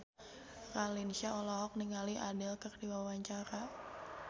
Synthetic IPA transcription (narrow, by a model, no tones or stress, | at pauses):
ralinsiaɔlɔɦɔk̚niŋaliʔadɪlkərdiwawaɲt͡ʃaɾa